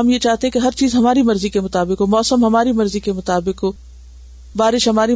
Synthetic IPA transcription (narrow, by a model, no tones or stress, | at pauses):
ɐmjet͡ʃaːɦt̪eɦɛ̃keɦɐɾt͡ʃiːzɦɐmaːɾimɐɾzikemʊt̪aːbɪkɦomɔːsəmɦɐmaːɾimɐɾzikemʊt̪aːbɪkɦoː | baːɾɪʃɦɐmaːɾi